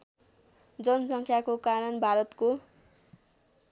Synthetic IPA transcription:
d͡zʌnsʌŋkʰjakokaɾʌnbʱaɾʌt̪ko

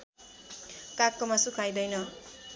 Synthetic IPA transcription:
kakːomasukʰajd̪ʌjnʌ

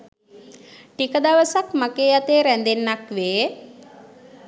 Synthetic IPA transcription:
ʈikəd̪aʋəsakmakeːjat̪eːɾænd̪enːakʋeː

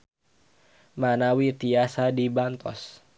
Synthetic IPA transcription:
manawit̪iasadibant̪ɔ̰s

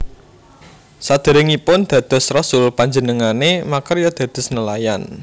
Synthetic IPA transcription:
sad̪̥ə̤ɾɪŋipʊnd̪̥ä̤d̪̥ɔ̤srɔsʊlpaɲd͡ʒənəŋanemakərjɔd̪̥ä̤d̪̥ɔ̤snəlajan

